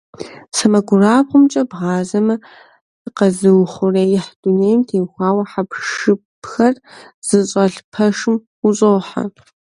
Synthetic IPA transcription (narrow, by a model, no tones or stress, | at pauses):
sɐmɐɡʷʊraːpqʷʊmt͡ʃʼɐbʁɑːzɐmɐ | ɨqɐzɨwχʷʊrɐjɪħd̥ʊneːjmtʰeːxʷɑːwɐħapʰʂɨpʰxɐrz̥ɨɕʼɐɬpʰɐʂɨm | ʊɕʼowħa̰